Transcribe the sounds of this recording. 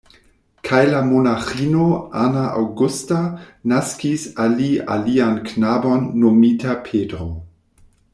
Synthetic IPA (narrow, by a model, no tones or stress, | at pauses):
kʰajlamonaχiːnoʔanaʔa̰wɡustanaskisalia̰lianknaːbonːomitapʰeːdɾo